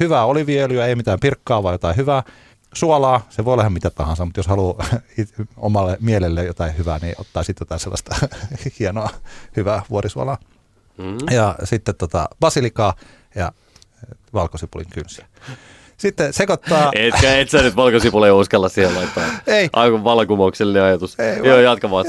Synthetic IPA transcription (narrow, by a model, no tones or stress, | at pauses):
hyʋæːoliʋielyɑeimit̪æːmpirkːɑːʋɑijot̪ɑihyʋæː | suolɑːseʋoˑiolːˑɑehɑmmit̪æt̪ɑ̰hɑnsɑmut̪joshɑluio̰mɑlːemielelːejot̪ɑihyʋæ̰ːnḭʔo̰t̪ːɑːsit̪jot̪ɑːselːɑ̰st̪ɑhienoɑhyʋæːʋuorisuɑ̰lɑː | jɑsit̪ːet̪ot̪ɑ̰b̥ɑsilikɑː | jɑ̰ | ʋɑlkosipulḭŋkynsiæ̥ | sit̪ːesekot̪ːɑːetkæet̪sænyt̪ʋɑlkosipuleiuskɑlːɑssihelɑit̪ːɑeiʔɑkuʋɑlɑkumoukselːineɑjɑt̪useijoːjɑt̪kɑmɑː